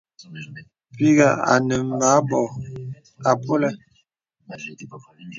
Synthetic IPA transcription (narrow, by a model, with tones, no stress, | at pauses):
pi˦ɡa˨a̰˨nə˨m˨ma˨˦bɔ˨ | a˨pʰo˦lɛ˦˨